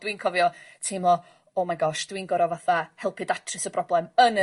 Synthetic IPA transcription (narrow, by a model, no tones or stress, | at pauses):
d̥winkʰɔvjɔtʰɪmlˠɔ | ɔmaɡɔʃd̥winɡɔɾɔvaθahɛlˠpʰɨdatʰrɨsəb̥rɔblˠɛmənə